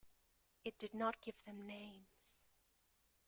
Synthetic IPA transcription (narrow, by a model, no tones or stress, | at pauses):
ɨt̚d̥ɨdⁿnət̚ɡ̥ɪvðɨ̃mnẽɪ̃mz̥